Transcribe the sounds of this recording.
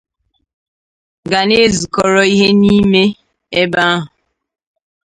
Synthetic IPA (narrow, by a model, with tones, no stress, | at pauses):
ɡa˨ne˦zu˨kɔ˨ɾɔ˦i˦ɦe˦ni˦me˦ | e˦ba˦a˦ɦʊ˨